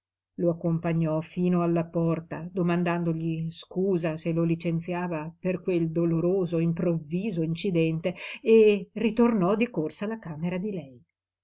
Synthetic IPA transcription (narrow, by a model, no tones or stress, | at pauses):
loakːompaɲːɔfiːnoalːapɔrt̪ad̪omand̪and̪oʎiskuːzaselolit͡ʃent̪sjaːvaperkweld̪oloɾoːzoimpɾovːiːzoint͡ʃid̪ɛnt̪eː | rit̪ornɔd̪ikorsalakaːmeɾad̪ilɛj